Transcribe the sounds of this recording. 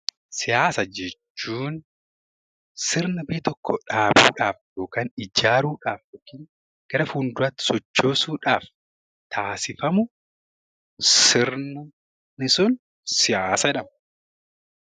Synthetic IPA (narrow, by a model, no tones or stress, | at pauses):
sɪjaːsɐd͡ʒɛt͡ʃːuːn | sɪɾnɪbiːt̪ɔkʰːɔᶑaːbṵːᶑaːfjo̞ːkaːnɪd͡ʒaːɾuːᶑaːfjɔkːiːn | ɡ̥ɐɾɐfuːnd̪ʊɾɐt̪sɔt͡ʃːo̞ːsuːᶑaːf | t̪ʰaːsɪfɐmʊ | sɪɾnʊ | nɪsʊn | sɪjaːsɐɛᶑɐmɐ